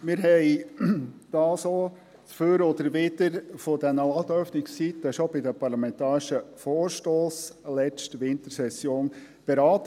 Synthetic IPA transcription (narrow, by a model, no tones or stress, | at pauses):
mɪɾɦɛɪ | d̪̥ɑːso | t͡sføɾɔd̪əɾʋɪd̥əɾfod̪ɛnəɑt̪œfnɪkst͡sit̪ːəʃobɪdəpʰɑɾlɑmɛnt̪ɑːɾɪʃəfoːɾʃtoːslɛstʋɪnt̪əɾsɛsjoːn | b̥eɾɑːt̪